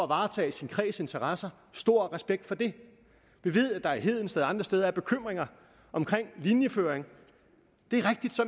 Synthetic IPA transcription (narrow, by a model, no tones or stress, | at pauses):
ɒæʋɑ̈ːt͡sʰɛ̰ːisinkʰʁɛ̰ːse̝nt͡sʰɐʁɑsɐ | sd̥o̝ɐ̰ʁɛsb̥eɡ̥̚d̥fɒ̽d̥e̝ | ʋ̥e̝ʋið̞̰ˠæd̥ɑ̈iɦe̝ð̰ˠn̩sd̥eːðˠɑ̈nd̥ʁɐsd̥eːð̞ˠɐæɐb̥e̝kʰøm̰ʁeŋɐ | ʔɒ̽mkʰʁeŋ̰linjəføːeŋ | d̥e̝æɐʁeɡ̥̚d̥id̥sɒ̽m